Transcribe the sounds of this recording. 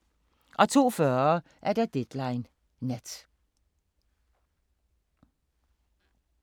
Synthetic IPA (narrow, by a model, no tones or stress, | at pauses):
ʔɒ̽t͡sʰo̝̰ːfɶɐ | ʔæɐd̥æd̥ed̥lɑ̈ɪnː | æd̥